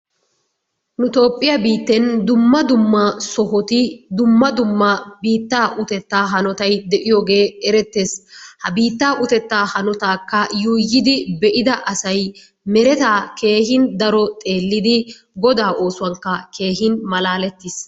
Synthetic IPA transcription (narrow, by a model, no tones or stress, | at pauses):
nʊt̪o̞ːpʼːɪjɐbiːt̪ːɛnd̪ʊmːɐd̪ʊmːɐsɔhɔt̪ɪd̪ʊmːɐd̪ʊmːɐbiːt̪ːaːʔʊt̪ɛt̪ːaːɦɐnɔt̪ɐjd̪ɛʔɪjɔːɡe̞ːɛɾɛt̪ːeːshɐbiːt̪ːaːʔʊt̪ɛt̪ːaːhɐnɔt̪aːkːɐjuːjːɪd̪ɪbɛʔɪd̪ɐʔɐsɐj | mɛɾɛt̪aːke̞ːhɪnd̪ɐɾɔt̪ʼe̞ːlːɪd̪ɪ | ɡɔd̪aːʔo̞ːsʊwɐŋkːɐkʰe̞ːɦɪnmɐlaːlɛt̪ːɪs